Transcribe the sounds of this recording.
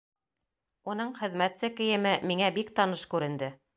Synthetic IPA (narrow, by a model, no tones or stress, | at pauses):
unɤɴχɘ̆ðmæt̪sɘkɘ̆jɘ̆mɘmiŋæbikt̪ɑnɤʃkʉɾɘ̆nd̪ɘ